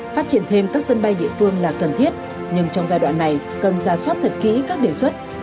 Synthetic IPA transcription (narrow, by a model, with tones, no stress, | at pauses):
faː˦˥t̚t͡ɕi˧˩ənt̪ʰe˧mkaː˦˥k̚sə˧nɓa˧jɗḭ˧˨əfɨ˧əŋlaː˨˩kə˨˩nt̪ʰi˦˥ət̚ | ɲɨ˧ŋt͡ɕɔ˧wŋ͡mzaː˧jɗwa̰ː˧˨nːa˨˩j | kə˨˩nzaː˨˩swaː˦˥t̚t̪ʰə˨˩t̚kḭ˧˥kaː˦˥k̚ɗe˧˩swə˦˥t̚